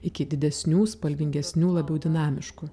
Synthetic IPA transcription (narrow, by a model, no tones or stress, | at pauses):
ɪkʲɪd̪ʲɪd̪ʲɛsʲnʲuːspɐlʲʋʲɪŋʲɡʲɛsʲnʲuːlˠɐbʲɛʊd̪ʲɪnɑːmʲɪʃkʊ